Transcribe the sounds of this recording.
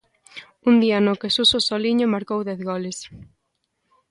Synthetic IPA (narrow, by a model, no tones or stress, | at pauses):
und̪ianokesusosɔliɲʊmaɾkowðɛθɣɔles